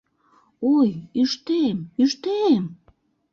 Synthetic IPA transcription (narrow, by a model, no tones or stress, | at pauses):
ojyʃt̪emyʃt̪em